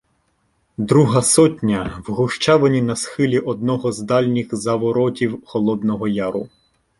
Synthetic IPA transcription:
d̪ɾuɦɐsɔtʲnʲɐwɦʊʃt͡ʃɑʋɐnʲinɐsxɪlʲiʔɔd̪̚nɔɦɔzd̪ɑlʲnʲixzɐʋɔɾɔtʲiwxɔlˠɔd̪nɔɦɔjɑɾʊ

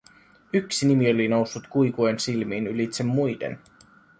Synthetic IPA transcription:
yksinimiolinowsːut̪kujkuensilmiːnylit̪semːujdḛn

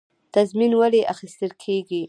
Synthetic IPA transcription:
t̪azminwaleʔaxist̪əlkʰeɡi

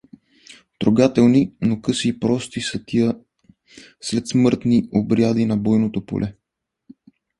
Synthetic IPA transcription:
t̪ɾoɡat̪ɛlˠninokɤsiːpɾɔst̪isət̪iə | slɛt̪smɤɾt̪niobɾjad̪inɐbɔjnot̪opo̰lʔɛ

